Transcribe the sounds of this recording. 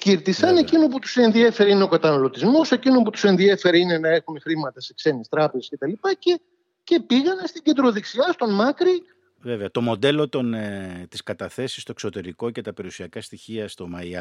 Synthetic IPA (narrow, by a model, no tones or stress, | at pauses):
ciɾt̪isɐnecinop̬ut̪u̥se̞nðiefe̞ɾeineokɐt̪ɐnɐlot̪izmo̞se̞cinoput̪use̞nðiefe̞ɾeine̞nɐe̞xume̞xɾimɐt̪ɐse̞kse̞nist̪ɾɐpezesce̞t̪ɐlipɐce | ce̞piɣɐnest̪iɟe̞nd̪ɾo̞ðeksiɐst̪o̞nmɐkɾi | veveɐt̪o̞mo̞d̪e̞lo̞t̪ont̪iskɐt̪ɐθe̞sist̪o̞ekso̞t̪e̞ɾiko̞cet̪ɐpe̞ɾiusiɐkɐst̪içiɐst̪o̞mɐiɐ